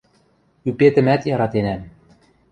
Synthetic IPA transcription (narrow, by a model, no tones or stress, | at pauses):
ypet̪ɘ̆mæt̪jɑɾɑt̪enæm